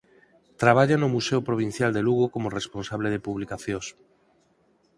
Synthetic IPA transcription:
t̪ɾaβ̞aʎanomuseopɾoβ̞in̟θjald̪eluɣokomoresponsaβleð̞epuβlikaθjõs

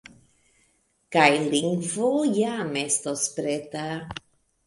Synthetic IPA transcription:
kajliŋɡvojamest̪ospɾet̪a

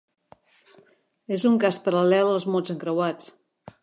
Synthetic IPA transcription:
ezuŋkaspəɾəlɛlˠəlˠzmozəŋkɾəwat͡s

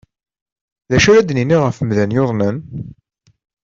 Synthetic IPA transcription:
ðæʃæɾæd̪niniʁəfəmðænjoðˤnən

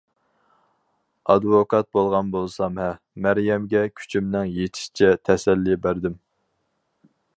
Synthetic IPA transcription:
ɑd̪vokʰɑt̪̚bolˠʁɑnbolˠsɑmhɛ | mæɾjɛmɡʲɛkʲʰy̥t͡ʃʰimnɪŋjet̪ʰi̥ʃt͡ʃʰɛt̪ʰɛsɛlːibæɾd̪ɪm

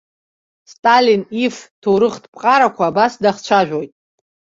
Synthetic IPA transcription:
stʼaliniftʰoɾɨχtʰpʼqʼaɾakʷʰaːbasdaχt͡ʃʷʰaʒᶣojtʼ

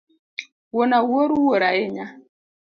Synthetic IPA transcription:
wonawoɾuwoɾaeɲa

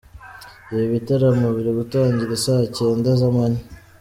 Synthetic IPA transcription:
iβitaɾamuβiɾiβutaːɲɟiɾesace̞ːndazamaɲi

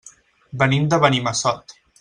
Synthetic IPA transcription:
bənimd̪əβənimasɔt̪

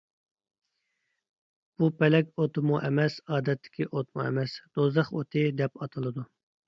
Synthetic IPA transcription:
b̥upɛlɛkʲot̪ɨmuʔɛmɛsɑːd̪ɛt̪ːɪ̥kʲʰiʔot̪mṵɛ̰mɛsd̪̥ozəχot̪ʰɪd̪ɛpɑt̪ʰɨlˠɨd̪u

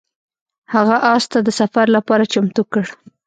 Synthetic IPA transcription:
haɣaʔɑst̪ad̪əsafaɾlapɑɾat͡ʃamt̪ukəɽ

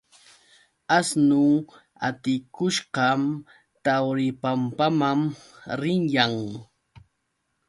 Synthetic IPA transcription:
asnʊ | a̰t̪ɪkʊʃɢɑm | t̪awɾɪpampamamɾɪŋjaŋ

